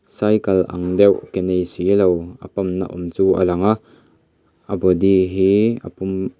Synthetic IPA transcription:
sajkɐlʔɐ̰ŋd̪ɛwʔkɛnejsilowʔɐ̰pɐmna̰ʔumt͡suːʔa̰lɐŋa | ʔɐbɔd̪iɦiɐ̰pʊm

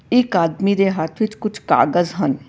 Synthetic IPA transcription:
ɪkaːd̪miːɾeːɦaːt̪ʰʋɪt͡ʃkʊt͡ʃʰka̰ːɡəzɦən

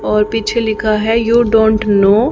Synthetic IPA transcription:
ɔːɾpiːt͡ʃʰelɪkʰaɦɛjuːɖõːɳʈnoː

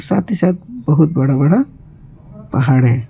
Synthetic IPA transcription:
sat̪isat̪̚bəɦut̪̚bɐɽabəɽa | pɐɦaɽɦɛ

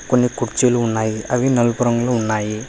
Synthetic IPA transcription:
konːikuʈt͡ʃiːluːnːaːjiɐʋinɐlupuɾɐŋɡluːnːaːji

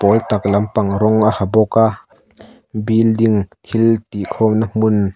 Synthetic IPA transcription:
pɔlt̪ak̚lɐmpaŋɾɔŋahabɔka | bildiŋt̪ʰilt̪ikʰɔnamun

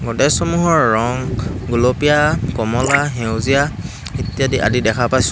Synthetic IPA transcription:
ɡɔtɛsɔmuɦɔɹːɔŋɡulopijakɔmɔlaɦewzija | itijadiʔa̰didɛkʰapajs

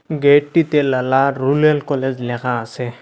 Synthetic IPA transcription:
ɡeʈːit̪elalaɾulelkɔled͡ʑlɛkʰaːse

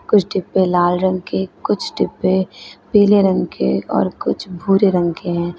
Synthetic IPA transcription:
kʊt͡ʃʰʈɪpːelaːlɾə̃ŋɡkekʊt͡ʃʰʈɪpːepiːleɾə̃ŋɡkʰḛɔ̰ːɾkʊt͡ʃʰbʱuːɾeɾə̃ŋɡkeɦɛ̃ː

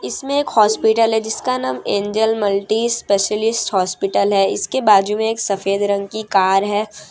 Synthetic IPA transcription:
ɪsmẽeːkhɔːspɪʈəlɦɛd͡ʒɪskanaːmẽːɲd͡ʒəlmɐlʈispeːʃəlɪsʈhɔːspɪʈəlɦɛɪ̰skebaːd͡ʒumẽeːksɐfeːd̪ɾɐ̃ŋɡ̚kikaːɾɦɛː

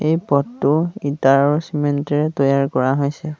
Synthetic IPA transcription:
ejpɔtːʊitaɹɔsimentɛɹɛtɔjaɹkɔɹaɦojsɛ

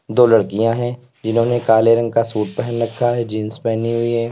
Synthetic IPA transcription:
d̪oːlɐɽkijãɦɛ̃ | d͡ʒɪnɦõːnekaːleɾɐ̃ŋɡ̚kasuːʈ̚pɛɦənɾɐkʰːaɦɛd͡ʒĩːnspɛːniɦʊiɦɛ̃ː

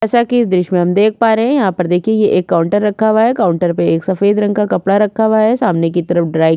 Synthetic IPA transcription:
ɛːsakiɪsd̪ɾɪʃmẽɦɐ̃md̪eːk̚ʰpaːɾeɦɛ̃jɐɦãpɐɾd̪eːkʰiejeʔeːkːaːʊ̃ɳʈəɾːɐkʰːaːʋaɦɛkaːʊ̃ɳʈəɾpeeːksɐfeːd̪ɾɐ̃ŋɡkakɐpɽaɾɐkʰːaːʋaɦɛsaːmnek̬it̪ɐɾəfɖɾaːj

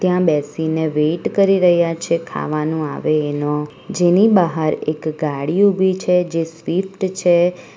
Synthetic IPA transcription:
t̪jãbɛsineʋeʈkəɾiɾəɦjat͡ʃʰekʰa̰ʋanũa̰ʋeːno | d͡ʒenibəɦəɾekɡaɽiubʱit͡ʃʰed͡ʒesʋifʈt͡ʃʰe

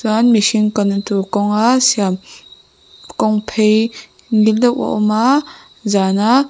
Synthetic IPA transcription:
suanmiʃinkɔntukɔŋasiam | kɔŋpʰej | ŋildɔwɔ̰ʔɔma | zana

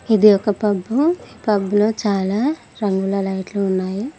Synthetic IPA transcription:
id̪iɔkɐpɐbːuiːpɐbːulo̞ːt͡ʃaːlaː | ɾɐŋɡulɐlɐjʈluunːaːju

